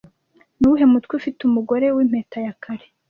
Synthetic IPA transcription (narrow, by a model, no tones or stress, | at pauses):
nuuɦe̞mutwifitumuɡo̞ɾe̞wim̥he̞ːtajakʰaɾe